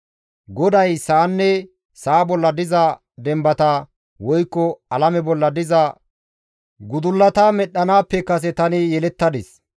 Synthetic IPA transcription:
ɡɔd̪ɐjsaːnːɛ | saːbɔlːɐd̪ɪzɐ | d̪ɛmbɐt̪a | wɔjkːɔɐlɐmɛbɔlːɐd̪ɪzɐ | ɡʊd̪ʊlːɐt̪aːmɛɗːɐnaːpːɛkɐs̬ɛt̪ɐnɪjɛlɛt̪ːɐd̪ɪs

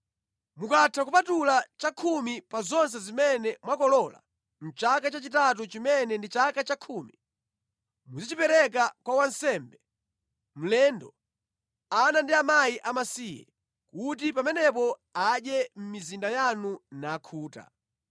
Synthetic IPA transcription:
mukatʰakupatulat͡ʃakʰumipazɔns̬ɛzimɛnɛmwakɔlɔla̰ | m̩t͡ʃakat͡ʃat͡ʃitat̬ut͡ʃimɛnɛndit͡ʃakat͡ʃakʰumi | muzit͡ʃipɛɾɛk̬akwawan̩sɛmbɛ | m̩lɛndɔ | anandiamajiʔamasijɛ̰ | kut̬ipamɛnɛpɔaɗjɛm̩mizindajanunaːkʰuːta̰

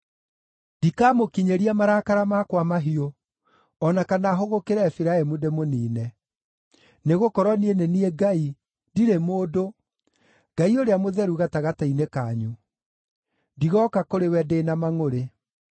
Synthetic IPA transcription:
ndikaːmokiɲeɾiamaɾakaɾamakwamaɦio | ɔnakanaːɦoɣokeɾaɛfiɾaɛmudemoniːnɛ | neɣokɔɾwɔnieneniɛɡai | diɾemoːdo | ɡ̥aioɾeamoðɛɾuɣataɣatainekaːɲu | diɣɔːkakoɾewɛdeːnamaŋoɾe

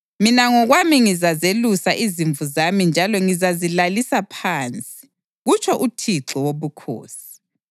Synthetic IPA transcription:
minaŋɔɣwamiŋizazelusaʔiziɱvuzamind͡ʒʱalɔŋizazilalisapʰaːnt͡sʼi̥ | ɣut͡ʃʰʼɔʔutʰiǁɔwoβukʰo̰ːsi̥

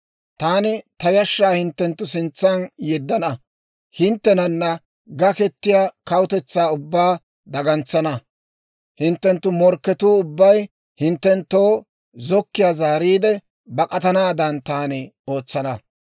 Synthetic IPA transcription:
t̪aːnɪt̪ɐjɐʃːaːhɪnt̪ːɛnt̪ːʊsɪnt͡sːɐnjɛd̪ːɐnɐ | hɪnt̪ːɛnɐnːɐ | ɡɐkɛt̪ːɪjaːkɐwʊt̪ɛt͡sːaːʊbːaː | d̪ɐɡɐnt͡sːɐnɐ | hɪnt̪ːɛnt̪ːʊmɔɾkːɛt̪uːʊbːɐj | hɪnt̪ːɛnt̪ːoː | zɔkːɪjaːzaːɾiːd̪ɛ | bɐkʼɐt̪ɐnaːd̪ɐnt̪aːnɪo̞ːt͡sːɐnɐ

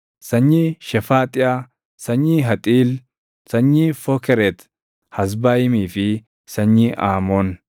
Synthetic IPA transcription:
sɐɲːiːʃɛfaːt̪ʼɪʔa | sɐɲːiːɦɐt̪ʼiːl | sɐɲːiːfɔkɛɾɛt̪ | hɐs̬baːjɪmiːfɪ | sɐɲːiːʔaːmoːn

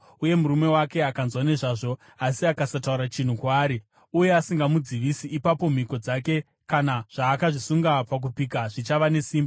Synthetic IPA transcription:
uje̞muɾume̞wake̞akanzwane̞ʐaːʐo̞ | asiakasatauɾat͡ʃin̤ukwaːɾi | uje̞asiŋɡamud͡ziʋisiʔːpapo̞m̤iko̞d͡zake̞ | kanaʐ̥aːkaʐisuŋɡapak̬upikaʐit͡ʃaʋane̞siːmba

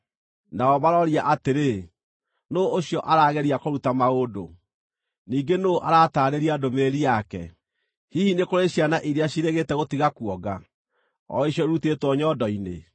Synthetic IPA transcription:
naɔβaɾɔɾiaʔateɾe | noːɕjɔʔaɾaːɣɛɾiakoɾutamaodo̰ | niːŋɡenoʔaɾaːtaɾeɾiadomeːɾijakɛ̰ | hihinekoɾeɕjanaʔiɾeaɕiɾeɣetɛɣotiɣakwɔɡa | ɔ̰eɕjɔeɾutetwɔɲɔdɔinḛ

